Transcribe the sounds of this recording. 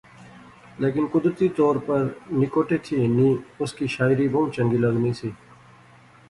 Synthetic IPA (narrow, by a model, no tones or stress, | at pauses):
leːkɪnkʊd̪ɾət̪iːt̪ɔːɾpəɾnɪkoːʈeːt̪ʰiːnĩːʊskiːʃaːɪɾiːboũt͡ʃə̃ŋɡiːləznĩːsiː